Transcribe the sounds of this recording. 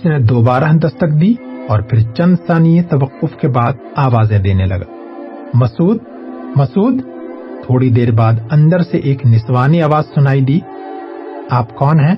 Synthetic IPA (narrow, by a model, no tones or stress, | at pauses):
ɪsned̪oːbaːɾaɦd̪ɐst̪əkd̪iːɔːɾpʰɪɾt͡ʃɐ̃nd̪saːnijet̪ɐʋəqːʊfkebaːd̪̚ | aːʋaːzɛ̃d̪eːnelɐ̰ɡa̰ː | mɐsuːd̪̚ | mɐsuːd̪ | t̪ʰoːɽid̪eːɾbaːd̪ɐ̃nd̪əɾseʔeːknɪswaːniaːʋaːzsʊnaːid̪iː | aːpkɔːnɦɛ̃ː